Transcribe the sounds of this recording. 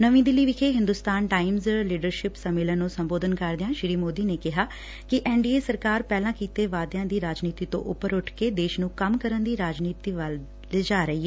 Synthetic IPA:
nəʋĩːd̪ɪlːiːʋɪkʰeːɦɪ̃nd̪ʊst̪aːnʈaːɪmzliːɖəɾʃɪpsəmɪlənõːsəmboːd̪ənkəɾd̪ɪjãːʃɪɾiːmoːd̪iːneːkɪɦaː | kɪʔɛːɳɖiːeːsəɾkaːɾpɛːlãːkiːt̪eːʋaːd̪jãːd̪iːɾaːd͡ʒniːt̪iːt̪õ̰ːʔʊ̰pːəɾʊʈʰkeːd̪eːʃnũːkəmkəɾənd̪iːɾaːd͡ʒniːt̪iːʋəl | led͡ʒaːɾəiːɛː

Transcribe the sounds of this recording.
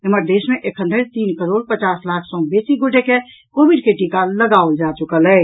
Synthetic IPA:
eməɾd̪esmeʔekʰə̃nd̪əɾt̪iːnkəɾoɽpət͡ʃaslakʰsɔ̃besiɡuʈeke | kobiɖkeʈikaləɡaold͡ʒat͡ʃukələ

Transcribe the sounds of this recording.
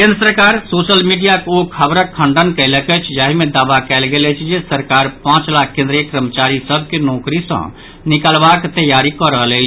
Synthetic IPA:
kend̪ɾəsəɾkaɾsosəlmiɖijakokʰəbɾəkʰːəɳɖənkəɪləkət͡ʃʰd͡ʒaɦimed̪abakɛlɡelɛt͡ʃʰd͡ʒesəɾkaɾpãt͡ʃlakʰːẽnd̪ɾəjəkɾəmət͡ʃaɾisəbʱkenɔkɾisə̰̃ | nikalbakt̪əjaɾikɔɾəɦəlɛ

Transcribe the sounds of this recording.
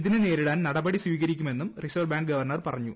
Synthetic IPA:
iðinene̞ːɾiɽaːnnɐɽɐbɐɽisʋiːɣɐɾikʲːume̞nːumrisɐʋbaːɳɡɡɐʋɐrɳɐrpɐrɐɲːu

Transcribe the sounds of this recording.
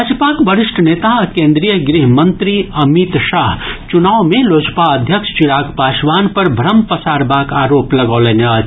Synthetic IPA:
ad͡ʒəpaːkbəɾɪʃʈʰneːt̪akẽːnd̪ɾijəɡɾiɦmə̃nt̪ɾiɐmit̪ʃaːɦt͡ʃunaːwmeloːd͡ʒpaəd̪ʱjəkʃt͡ʃiɾaːkpaːʃʋaːnpɐɾbʱɾəmpəsaːɾbaːkaːɾoːplɐɡaːleːnə

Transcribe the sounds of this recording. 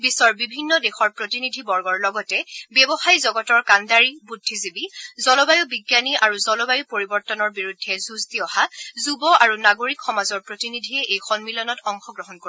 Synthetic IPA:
bisɔɹbibʱinːɔdexɔɹpɹotinidʱibɔɹɡɔɹlɔɡɔtɛbɛbɔxajzɔɡɔtɔɹkandaɹibudʱːizibizɔlɔbajubiɡjaniʔaɹuzɔlɔbajupoɹibɔɹtɔnɔɹbiɹudʱːɛzuztiɔhazubɔaɹunaɡoɹikxɔmazɔɹpɹotinidʱiɛʔejxɔnmilɔnɔtɔŋxɔɡɹɔɦɔnko

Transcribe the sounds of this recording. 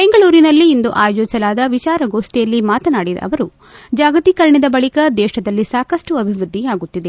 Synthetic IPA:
be̞ŋɡɐɭuːɾinɐlːiːnd̪uʔaːjd͡ʒɔsɐlaːd̪ɐʋit͡ʃaːɾɐɡoːʂʈijɐlːimaːt̪ɐnaːɽid̪ɐ̰ɐ̰ʋɐɾu | d͡ʒaːɡɐt̪ikɐɾɐɳid̪ɐbɐɭikɐd̪ɛːʃɐd̪ɐlːisaːkɐʂʈuɐbʱiʋɾud̪ʱːiaːɡut̪ːid̪e̞

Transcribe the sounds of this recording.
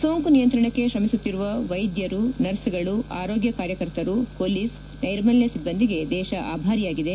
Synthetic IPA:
soːŋkunijɐnt̪ɾɐɳɐkːe̞ʃɾɐmisut̪ːiɾuʋɐʋɐjd̪jɐɾunɐɾsiɡɐɭuʔa̰ːɾoːɡjɐkaːɾjɐkɐɾt̪ɐɾupolis | nɐjɾmɐljɐsibːɐnd̪iɡe̞d̪ɛːʃɐʔaːbʱaːɾijaːɡid̪e

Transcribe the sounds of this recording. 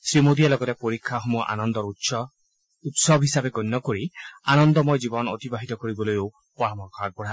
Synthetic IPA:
sɾimod̪ijalɔɡɔt̪epoɾikʰːaɦɔmuɔʔa̰nɔnd̪ɔɾu | ut̪sɔbɦisabeɡɔnːɔkoɾianɔnd̪ɔmojd͡ʒibɔno̰t̪ibaɦit̪ɔkoɾibɔlojo | pɔɾɔmɔkɔaɡ̚bɔɽ̤a

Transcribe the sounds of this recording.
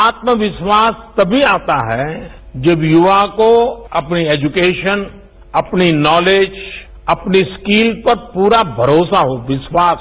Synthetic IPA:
aːt̪məʋɪʃwaːst̪ɐbʱiaːt̪aɦɛd͡ʒɐbjʊʋakoɐpniɛːd͡ʒʊkeːʃən | ɐpninɔːleːd͡ʒ | ɐpniskiːlpɐɾpuːɾabʱɐɾoːsaɦoʋɪʃwaːs

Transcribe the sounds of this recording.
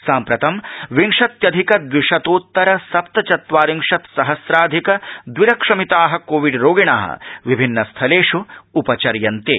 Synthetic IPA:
saːmpɾɐt̪ɐmʋiŋʂɐt̪jɐd̪ʱikɐd̪ʋiʂɐt̪oːt̪ːɐɾɐsɐp̚t̪ɐt͡ʃɐt̪ʋaːɾiŋʂɐt̪sɐɦɐsɾaːd̪ʱikɐd̪wʋiɾɐkʂɐmit̪aːɦɐ̆koːʋiɖɾoːɡiɳaːɦɐ̰ʋibʱinːɐst̪ʰɐleːʂuupɐt͡ʃɐɾjɐnt̪ḛː

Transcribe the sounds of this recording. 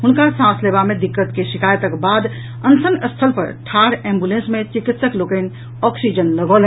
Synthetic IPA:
ɦunkasãslebamed̪ikːət̪keʃikajt̪əkbad̪ | ənsənəst̪ʰəlpə̰ɾʈʰaɾẽmbulẽnsmet͡ʃikit̪səklokən | ɔksid͡ʒənləɡɔlɦ

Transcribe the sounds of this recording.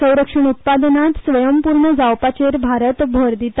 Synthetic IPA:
sə̃w̃ɾəkʂəɳ̃ut̪̚pad̪nat̪sʋəjəmpuɾɳəd͡zawpat͡ɕeɾbʱaɾət̪bʱoɾd̪it̪

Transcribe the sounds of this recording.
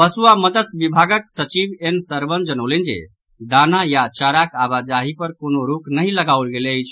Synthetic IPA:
pəsuaməd̪əsbibʱaɡəksət͡ʃibensəɾbənd͡ʒənəʊlind͡ʒḛ | d̪anajat͡ʃaɾakaβad͡ʒaɦipəɾkonoɾuknəɦĩləɡaulɡeləjt͡ʃʰ

